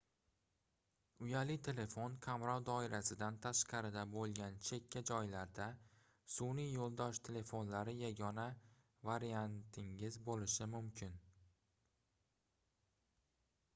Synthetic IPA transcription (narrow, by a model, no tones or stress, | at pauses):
ʊjalɪt̪ʰe̞le̞fonkʲʰamɾɒwd̪ɒɪɾasɪd̪ant̪ʰaʃqɑɾɪd̪abolˠɡʲant͡ʃʰe̞kʲʰːad͡ʒɒjlaɾd̪a | sʊnijolˠd̪ɒʃt̪ʰe̞le̞fo̞nlaɾɪjaɡʲɒna | vaɾijant̪ʰɪŋɪzbolɪʃɪmʊmkʲʰɪn